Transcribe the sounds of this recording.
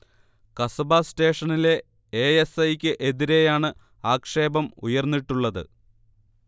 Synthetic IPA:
kɐsɐbaːste̞ːʂɐnile̞ | eːesɐjkʲːɨʔe̞ðiɾe̞jaːɳɨ | aːkʂe̞ːbɐmṵjɐrnːiʈːuɭːɐðɨ̰

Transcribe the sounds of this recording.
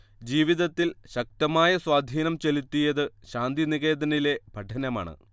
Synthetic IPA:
d͡ʑiːʋiðɐt̪ːilɕɐk̚t̪ɐmaːjɐswaːd̪ʱiːnɐmt͡ɕelit̪ːijɐðɨɕaːnd̪iniɣe̞ːd̪ɐnile̞bʱɐʈʰɐnɐma̰ːɳɨ̰

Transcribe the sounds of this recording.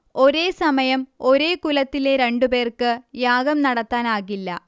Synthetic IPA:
o̞ɾe̞ːsɐmɐjɐmo̞ɾe̞ːkulɐt̪ːileɾe̞ɳɖupe̞ːrkɨjaːɡɐmnɐɽɐt̪ːaːnaːɣilːɐ̰

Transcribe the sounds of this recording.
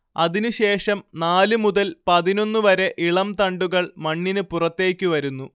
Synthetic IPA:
ɐðinuɕe̞ːʂɐmnaːlɨmuðɐlpɐðino̞nːuʋɐɾe̞ʔiɭɐmt̪ɐɳɖuɣɐɭmɐɳːinɨpurɐt̪ːe̞ːkʲːɨʋɐɾunːu

